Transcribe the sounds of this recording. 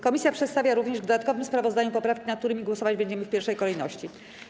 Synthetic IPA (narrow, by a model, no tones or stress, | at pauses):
kɔmʲisʲjapʂɛt̪st̪avʲjaɾuvɲɛʐvd̪ɔd̪at̪̚kɔvɘmspɾavɔzd̪aɲupɔpɾafkʲinat̪k̚t̪uɾɘmʲiɡwɔsɔvad͡ʑbɛɲd͡ʑɛmɘfpʲjɛɾfʂɛjkɔlɛjnɔ̰ɕt͡ɕi